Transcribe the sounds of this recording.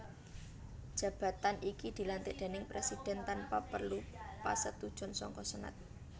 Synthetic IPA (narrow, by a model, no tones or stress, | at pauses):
d̥ʒ̥ä̤b̥ä̤t̪anikid̪̥i̤lant̪ɪʔd̪̥e̤nɪŋpɾesid̥ɛ̤nt̪anpapərlupa̰sət̪ud̥ʒ̥ɔ̤nsɔ̰ŋkɔsəna̰t̪̚